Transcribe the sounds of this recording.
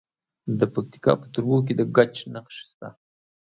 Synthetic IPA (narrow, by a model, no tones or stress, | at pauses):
d̪əpak̚t̪i̥kɑ̰pə̥t̪uɾwok̬ed̪əɡat͡ʃnaxʃi̥st̪a̰